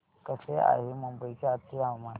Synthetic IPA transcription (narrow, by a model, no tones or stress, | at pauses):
kəsea̰ɦiməmbəjkaat̪ʰiawma